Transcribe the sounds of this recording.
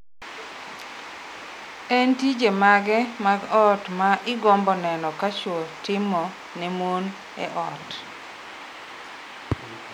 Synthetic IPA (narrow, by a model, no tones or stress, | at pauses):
ɛntid͡ʒemaɡɛmaɡɔtmaʔɪɡɔmbɔnɛnɔkat͡ʃwotɪmɔ | nɛmon | ɛ̰ʔɔt